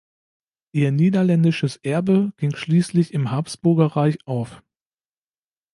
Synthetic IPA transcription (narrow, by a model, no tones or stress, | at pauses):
ʔiːɐniːdɐlɛndɪʃəsʔɛɐbəɡ̥ɪŋʃliːslɪçɪmɦaɐpsb̥ʊɐɡɐʁaɪçʔaʊf